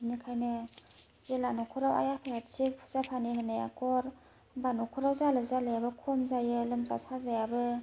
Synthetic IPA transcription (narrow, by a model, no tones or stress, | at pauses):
inikʰajnɯ | zelanɔkʰɔɾawa̰japʰajatsik̚pʰu̥zapʰaniɦɯnaja̰kɔɾ | banɔkʰɔɾawzalɯzalajabɯkʰɔmzajɯlɯmza̰sʰazajabɯ